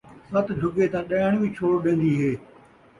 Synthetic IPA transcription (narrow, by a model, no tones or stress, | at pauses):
sɐt̪ɖʱʊɡet̪ãːɗɐɳ̃ĩːt͡ʃʰoːɽɗẽːn̆d̪iːɦeː